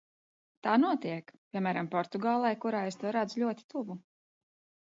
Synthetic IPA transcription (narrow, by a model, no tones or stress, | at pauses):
t̪aːnuɔt̪iɛkpʲiɛmæːɾampɔɾt̪uɡaːlˠajkuɾaːest̪uɔɾad̪zulʲuɔt̪ʲi̥t̪uvu